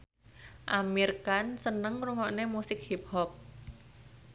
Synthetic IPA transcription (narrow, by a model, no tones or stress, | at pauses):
ʔamirkansənəŋɾuŋɔʔnemusɪk̚hip̚hɔp̚